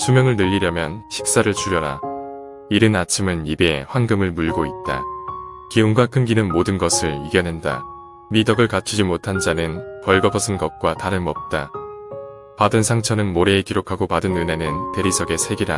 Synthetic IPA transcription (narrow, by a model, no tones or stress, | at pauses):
sʰumjʌŋɯɭnɯʎːiɾjʌmjʌnɕʰi̥k̚s͈aɾɯɭt͡ɕʰuɾjʌɾa̰ | iɾɯnat͡ɕʰimɯnibeḛɸwaŋɡɯmɯɭmuɭɡoit̚t͈a̰ | kiuŋɡwakʰɯmɡinɯnmodɯnɡʌsʰɯɭiɡjʌnɦenda̰ | midʌɡɯɭkat͡ɕʰid͡ʑimotʰand͡ʑanɯnpʌɭɡʌpʰʌsʰɯnɡʌk̚k͈wataɾɯnmʌp̚t͈a | padɯnsʰaŋt͡ɕʰʌnɯnmoɾe̞ːkiɾokʰaɡopadɯnɯne̞nɯnte̞ɾisʰʌɡe̞sʰe̞ɡiɾa